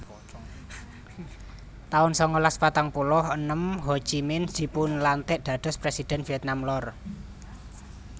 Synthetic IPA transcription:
t̪aʊnsɔŋɔlaspat̪aŋpulʊhənəmho̥ʒ̥imɪnsd̪̥i̤pʊnlant̪ɪʔd̪̥ä̤d̪̥ɔ̤spɾesid̪̥ɛ̤nfiɛt̪̚namlɔr

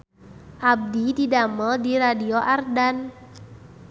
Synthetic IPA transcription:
ʔab̚dididamədiɾadioʔardan

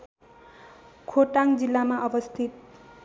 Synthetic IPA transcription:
kʰoʈaŋd͡zilːamaʔʌbʌst̪ʰit̪̚

